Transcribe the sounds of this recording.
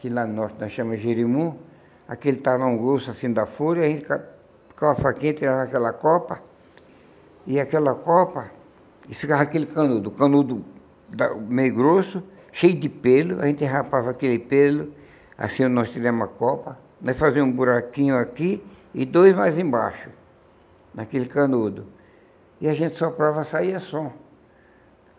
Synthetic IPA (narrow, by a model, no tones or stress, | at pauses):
kɪlanɔɾt̪ɪnɔsʃɐ̃mɐ̃ʒeɾimũ | akelɪt̪avɐũɡɾosʊasĩd̪afoɾɐaʒẽnt̪ɪ̥kḁ | kavɐfakĩt̪iɾavakɛlɐkɔpɐ | ɪakɛlɐkɔpɐ | ɪfikavakelɪkɐ̃nud̪ʊkɐ̃nud̪ʊ | d̪a̰mejʊɡɾosʊ | ʃejʊd̪ɪpelʊa̰ʒẽnt̪eɦapavɐakelɪpelʊ | a̰sĩnɔst̪ivɛ̃mɐkɔpɐ | mɐsfazĩɐ̃ũbuɾakĩɲʊaki | ɪd̪ojzmajzẽba̰ʃʊ̥ | nakelɪkɐ̃nud̪ʊ | ɪaʒẽnt̪ɪ̥sopɾavɐsaiɐsɔ